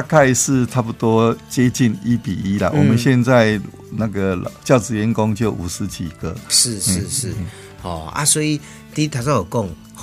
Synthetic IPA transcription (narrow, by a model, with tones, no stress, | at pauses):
a˧kʰa˥˧ɪʂ̩˥˧ʈ͡ʂʰa˥˩pu˨˩t̪wɔ˦˥t͡ɕjɛ˦t͡ɕi˥˨˩ni˦pi˨˩i˦la̰˨wɔ˨˩mə˦nɕjɛ˥˧nt͡sa˥˧ɪ | na˥˧ɡə˨lt͡ɕjɑ˥˩ʊt͡sɹ̩˨ɥɛ˧˦nkɔ˦ŋt͡ɕjo˥˩ʊʔu˨˩sɹ̩˧˦t͡ɕʰḭ˨˩ɡ̥ə˩ʂɻ̩˥˨ʂ̩˨˥˧ʂɻ̩˥˩ | hɔ̰˨˩a̰˦swɔ˧˦˥i˨˩ | t̪i˥˧˦t̪ʰa˨˧sa˥˧o˨˩ko˥˨ŋ